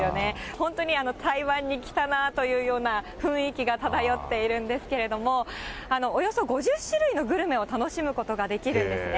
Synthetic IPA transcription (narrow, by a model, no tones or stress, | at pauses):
jone̞hõ̞nt̪o̞ɲ̟iano̞t̪ʰaiβãɲ̟ːikʲi̥t̪anat̪o̞jɯ̟ːjo̞ːnaɸɯ̟̃ɰ̃ikʲiɡat̪ad̪ajo̞t̪ːe̞iɾɯ̟̃nd̪e̞sɨ̥ke̞ɾe̞d̪o̞mo̞ano̞ːjo̞so̞ɡo̞ʑɨɕːɨɾɯ̟ino̞ɡɯ̟ɾɯ̟me̞o̞t̪ano̞ɕimɯ̟ko̞t̪o̞ɡad̪e̞kʲiɾɯ̟̃nd̪esɨne